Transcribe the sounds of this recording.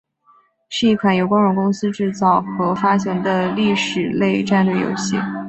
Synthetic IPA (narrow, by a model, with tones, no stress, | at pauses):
ʂɻ̩˥˧i˥˩kʰwa˧˥njo˨˧ʊkwɑ˥ŋɻʊ˧˥ŋkʊ˥ŋsɹ̩˥ʈ͡ʂɻ̩˥˧t͡sɑ˥˩ʊxɤ˧˥fa˥ɕʰjɤ˧˥ŋd̪ə˧li˥˩ʂɻ̩˨˩le˥˧ɪʈ͡ʂa˥˧nlɥe˥˩jo̰˨˥ʊɕi˥˩